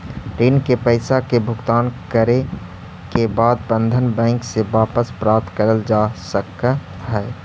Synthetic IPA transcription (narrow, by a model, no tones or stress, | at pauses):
ɾiːnkepəɪsakebʱʊɡt̪aːnkəɾe | kebaːd̪̚bə̃nd̪ʱənbɛ̃ːŋkseʋaːpəspɾaːp̚t̪kəɾəld͡ʒasək | ɦɛː